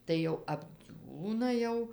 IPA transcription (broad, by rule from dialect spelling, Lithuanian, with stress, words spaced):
tɐɪ ˈjɛʊ ɐbʲˈd͡zʲuːnɐ jɛʊ